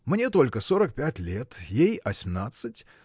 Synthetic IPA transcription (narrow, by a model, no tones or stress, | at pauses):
mnʲe̞t̪o̞lʲkəsoɾək̚pʲætʲlʲet̪jejɐsʲmnat̪sɨtʲ